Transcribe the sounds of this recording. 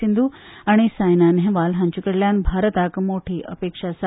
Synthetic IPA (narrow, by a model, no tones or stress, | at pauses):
ind̪u | aɽ̃isaːjnanɦẽʋaːlɦɐ̃ɲt͡ʃukəɽljaːnbʱaːɾət̪aːkmoːʈʰiʔə̰peːkʂasa